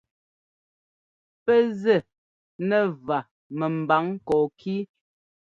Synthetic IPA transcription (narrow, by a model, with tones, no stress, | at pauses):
pɛ˦zɛ˨ | nɛ˦˨va˨ | mɛ˨m˨ba˨˦ŋkɔː˨kʰiː˦